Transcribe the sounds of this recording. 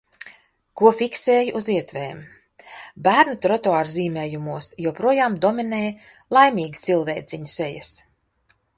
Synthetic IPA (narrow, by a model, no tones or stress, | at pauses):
kuɔfʲikseːjʔuziɛt̪vɛːm | bæːɾnɨt̪ɾɔt̪ɔaːɾziːmʲeːjumuɔsjɛwpɾuɔjaːmd̪ɔmineːj | lˠajmʲiːɡit̪silˠveːt̪siɲuseja̰s